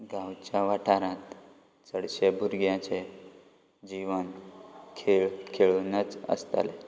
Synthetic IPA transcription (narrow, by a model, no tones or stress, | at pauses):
ɡãwt͡ɕjaʋaʈʰaɾãt̪ | t͡səɽɕebʱuɾɡjãt͡ɕe | d͡ʑiʋənkʰeɭkʰeɭunət͡sə̰st̪a̰le